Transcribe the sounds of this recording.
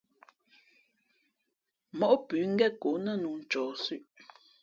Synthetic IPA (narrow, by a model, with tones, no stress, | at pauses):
mɔ˨ʔpʉ˨˦ŋ̩˦ɡɛ˦˨ko˨˦nə˦nu˨n̩˨t͡ʃɔː˨sʉ˦˨ʔ